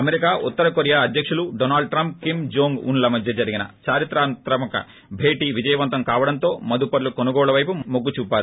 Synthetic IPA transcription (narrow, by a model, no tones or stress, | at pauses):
ɐmeɾikaːʔut̪ːɐɾɐkoɾjaːɐd̪ʱjɐkʂuluɖoːnaːlɖ̚ʈɾɐmp̚kimd͡ʒoːŋɡṵnlɐmɐd̪ʱjɐd͡ʒɐɾiɡinɐ̰t͡ʃaːɾit̪ɾaːnt̪ɾɐmɐkɐ̰ | bʱeːʈiːʋid͡ʒɐjɐʋɐnt̪ɐmkaːʋɐɽɐnt̪o̞ːmɐd̪upɐɾlukonuɡɔːɭɐʋɐjpumoɡːut͡ʃuːpːaːɾu